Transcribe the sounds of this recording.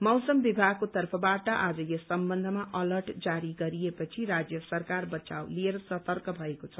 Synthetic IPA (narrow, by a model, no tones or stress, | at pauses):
mʌwsʌmbibʱaɡ̚kot̪ʌrpʰʌbaʈʌʔad͡zʌjʌsʌmbʌnd̪ʱʌmaʔʌlʌrʈd͡zaɾiɡʌɾijepʌt͡sʰiɾad͡zjʌsʌrkarbʌt͡sa̰wlieɾʌsʌt̪ʌrkʌbʱʌekot͡sʰʌ